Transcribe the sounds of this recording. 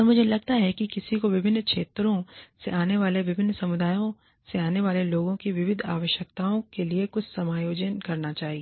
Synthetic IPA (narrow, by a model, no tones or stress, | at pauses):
ɔɾmʊd͡ʒʱelɐɡ̚t̪aɦɛkikɪsikoʋɪbʱɪnːkʃeːt̪ɾõseʔaːneʋaːleʋɪbʱɪnːsɐmʊd̪aːjõ | seaːneʋaːleloːɡõkiʋɪʋɪd̪ʱa̰ːʋəʃjək̚t̪aːõkeliekʊt͡ʃʰsɐmaːjoːd͡ʒənkɐɾnat͡ʃaːɦieː